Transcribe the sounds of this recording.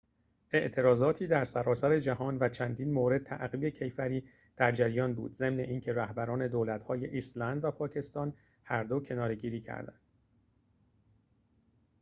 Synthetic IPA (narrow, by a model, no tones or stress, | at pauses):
ʔe̞ʔt̪ʰe̞ɾɒːzɒːt̪ʰiːd̪æɾsæɾɒːsæɾe̞d͡ʒæɦɒːnvæt͡ʃʰænd̪iːnmoɾe̞d̪̚tʰæ̰ʔɣiːbe̞cʰe̞jfæɾiː | d̪̥æɾd͡ʒæɾijɒːnbṵːd̪ze̞mne̞ʔiːncʰe̞ɾæhbæɾɒːne̞d̪oːlæt̪hɒːje̞ʔislænd̪væpʰɒːcʰe̞st̪ɒːn | hæɾd̪o̞cʰe̞nɒːɾe̞ɟiːɾiːcʰæ̰ɾd̪æ̰nd̪̥